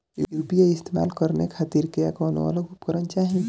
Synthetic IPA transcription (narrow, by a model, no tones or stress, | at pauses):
uuːpiaɪst̪ema̰ːlkəɾnekʰaːt̪iɾkea̰kɔɔno̰ɔ̰loɡʱupkəɾənt͡ʃaːɦĩ